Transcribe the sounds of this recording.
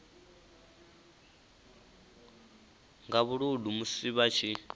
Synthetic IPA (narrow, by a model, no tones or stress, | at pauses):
ŋɡaβuɺudumusiβat͡ʃʰi